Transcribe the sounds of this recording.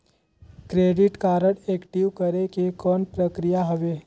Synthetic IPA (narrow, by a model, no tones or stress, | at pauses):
kɾeːɖɪʈkaːɾəɽeːkʈiʋkəɾekekɔːnpɾəkɾijaɦəʋeː